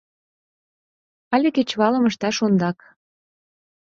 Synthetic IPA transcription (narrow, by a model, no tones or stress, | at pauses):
ɑlʲeket͡ɕβɑlə̆məʃt̪ɑʃond̪ɑk